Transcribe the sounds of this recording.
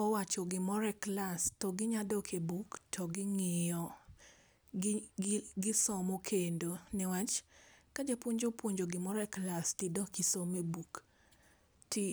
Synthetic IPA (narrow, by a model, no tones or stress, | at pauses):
ɔwat͡ʃɔɡɪmɔɾɛklastɔɡɪɲadɔkʰebuktʰɔɡɪŋɪjɔ | ɡɪsɔmokʰendonɪwat͡ʃkad͡ʒepwoɲd͡ʒopwoɲd͡ʒoɡɪmɔɾɛklastɪdɔkisomebuk | tɪ